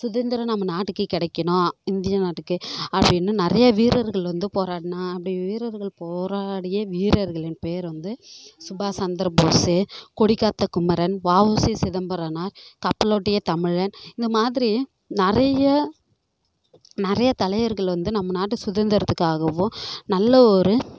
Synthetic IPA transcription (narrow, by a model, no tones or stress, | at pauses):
sʊðɐnd̪ɪɾɐnɐmːɐnaːʈːɯkːɯkɪɽɐɪkːɐɳõːɪnd̪ɪjɐnaːʈːɯkːɯɐpːɐɽɪnːɯnɪɾɐjɐʋiːɾɐɾɣɐɭʋɐnd̪ɯpoːɾaːɽɪnãːɐpːɐɽɪjʋiːɾɐɾɣɐɭpoːɾaːɽɪjɐʋiːɾɐɾɣɐɭɪnpeːɾʋɐnd̪ɯsʊbaːsɐnd̪ɐɾboːsekɔɽɪkːaːt̪ːɐkʊmɐɾɐnʋaːʋoːsisɪðɐmbɐɾɐnaːɾkɐpːɐloːʈːɪjɐt̪ɐmɪɻɐnɪnd̪ɐmaːðɪɾi | nɪɾɐjɐ | nɪɾɐjɐt̪ɐlɐjɐɾɣɐɭʋɐnd̪ɯnɐmːɐnaːʈ̬ːɯsʊðɐnd̪ɐɾɐt̪ːɯkːaːɣɐʋʊ̃nɐlːɐɔɾɯ